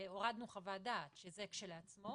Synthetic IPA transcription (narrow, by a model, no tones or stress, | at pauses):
o̞ʁad̪nuχavadaːtʃezekʃeleat͡smo̞